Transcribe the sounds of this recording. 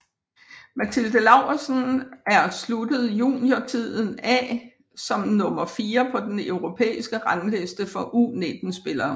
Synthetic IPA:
mæt͡sʰild̥əlɑ̈ʊɐsn̩æɐslud̥əð̞̩ˠjṵːnjɒt͡sʰið̰ˠn̩æ̰ː | sɒ̽mnɔ̽mɐfiːɐpʰɒ̽d̥enøʊʁo̝pʰḛːisɡ̥əʁɑŋle̝sd̥əfɒ̽ʔuːned̥n̩sb̥e̝lɐː

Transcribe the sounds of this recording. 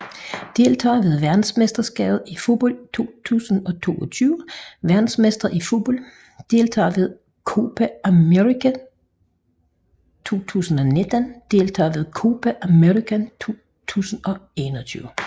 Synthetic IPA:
d̥e̝lt͡sʰɑ̰̈ːʋe̝ð̞ˠʋæɐd̥n̩smesd̥ɐsɡ̥ɛ̰ːbð̞̩ˠifo̝b̥ɒl̰t͡sʰo̝̰ːt͡sʰṵːsn̩ɒ̽t͡sʰo̝̰ːɒt͡sʰyːʊʋæɐd̥n̩smesd̥ʁɐifo̝b̥ɒl̰ | d̥e̝lt͡sʰɑ̰̈ːʋe̝ð̞ˠ | kʰo̝ːb̥ææmeʁikʰæ | t͡sʰo̝̰ːt͡sʰṵːsn̩ɒ̽ne̝d̥ænd̥e̝lt͡sʰɑ̰̈ːʋe̝ð̞ˠkʰo̝ːb̥æʔæmeʁikʰænt͡sʰo̝̰ː | t͡sʰṵːsn̩ɒ̽e̝nɒt͡sʰyːʊ

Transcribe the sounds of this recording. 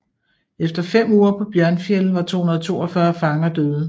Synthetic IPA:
efd̥ɐfem̰uːɐpʰɒ̽b̥jɶɐnfielʋɑ̈t͡sʰo̝̰hunɐðˠt͡sʰo̝̰ːɒfɶɐfɑ̈ŋɐd̥øːðˠ

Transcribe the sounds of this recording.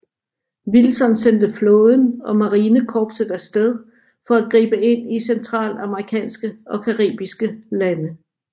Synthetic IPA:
ʋilsɒ̽nsend̥əflɔːð̞ˠn̩ɒ̽mɑ̈ʁiːnəkʰɒːb̥səd̥æsːd̥eð̞ˠ | fɒ̽æɡ̥ʁḭːb̥əe̝n̰isent͡sʰʁɑ̰̈ːlɑ̈məʁikʰɛ̰ːnsɡ̥əʔɒ̽kʰæʁḭːb̥isɡ̥əlænə

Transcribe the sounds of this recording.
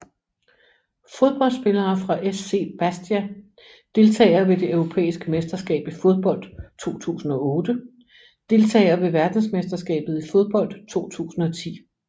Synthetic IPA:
fo̝ð̞ˠb̥ɒ̽l̰d̥sb̥e̝lɐːfʁɑ̈ʔesːe̝̰ːb̥æsd̥iæ | d̥e̝lt͡sʰɛ̰ːɪɐʋe̝d̥e̝øʊʁo̝pʰḛːisɡ̥əmesd̥ɐsɡ̥ɛ̰ːb̥ifo̝ð̞ˠb̥ɒ̽l̰d̥t͡sʰo̝̰ːt͡sʰṵːsn̩ɒ̽ɔːd̥ə | d̥e̝lt͡sʰɛ̰ːɪɐʋe̝ʋæɐd̥n̩smesd̥ɐsɡ̥ɛ̰ːb̥ð̞̩ˠifo̝ð̞ˠb̥ɒ̽l̰d̥t͡sʰo̝̰ːt͡sʰṵːsn̩ɒ̽t͡sʰḭː

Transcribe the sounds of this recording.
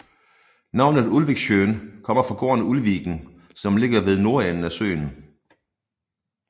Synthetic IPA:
nɑ̈ʊ̰nð̞̩ˠulʋeɡ̥ɕøːnkʰɒ̽m̰ɐfɑ̈ɡ̥o̝̰ːɐnəulʋiɡ̥n̩ | sɒ̽mle̝ɡ̥ɐʋe̝ð̞ˠno̝ɐenn̩æsø̰ːn̩

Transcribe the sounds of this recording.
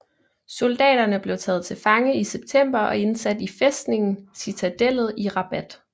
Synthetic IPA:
so̝ld̥ɛ̰ːɾ̥ɐnəb̥le̝ʊt͡sʰɛ̰ːð̞̩ˠt͡sʰe̝lfɑ̈ŋəiseb̥̚t͡sʰem̰b̥ɐʔɒ̽e̝nsæd̥ifesd̥ne̝ŋn̩sit͡sʰæd̥el̰ð̞̩ˠiʁɑ̈b̥æd̥

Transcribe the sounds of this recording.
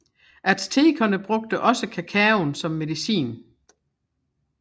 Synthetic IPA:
ʔæd̥st͡sʰe̝ːkʰɐnəb̥ʁɔ̽ɡ̥̚d̥əʔɒ̽səkʰækʰæonsɒ̽mːe̝ðˠisḭːn

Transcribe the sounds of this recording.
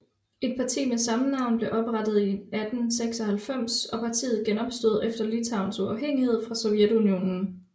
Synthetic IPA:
e̝d̥̚pʰɑ̈t͡sʰḭːmesɑ̈mənɑ̈ʊ̰nb̥le̝ʔɒ̽b̥ʁɑd̥ð̞̩ˠiæd̥n̩seɡ̥sɒ̽hælfem̰sɒ̽pʰɑ̈t͡sʰḭːð̩ˠɡ̥enɒ̽b̥sd̥o̝ð̞̩ˠefd̥ɐlit͡sʰɑ̈ʊ̰nsuɑ̈ʊɦeŋ̰ihe̝ð̞̰ˠfʁɑ̈sɒ̽ʊjed̥unio̝̰ːnn̩

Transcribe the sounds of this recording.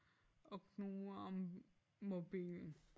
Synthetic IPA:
ɔknuɒmː | ob̥ḭːln̩

